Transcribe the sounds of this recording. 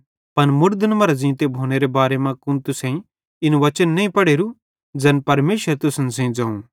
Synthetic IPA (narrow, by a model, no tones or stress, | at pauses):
pɐnmʊɾd̪nmɐɾzĩːt̪ebʱoːneɾebaːɾemãkʊnt̪ʊsɛ̃ĩ | ɪnʋɐt͡ʃənːɐĩpɐɽeːɾu | d͡zɛnpɐɾmeːʃəɾt̪ʊsənsɛ̃ĩd͡zãːũ